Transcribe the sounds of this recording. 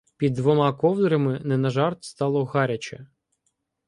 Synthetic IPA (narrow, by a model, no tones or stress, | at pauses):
pʲid̪ːʋɔmɑkɔwd̪ɾɐmɪnɛnɐʒɑrt̪st̪ɑlˠɔɣɑɾʲɐt͡ʃɛ̰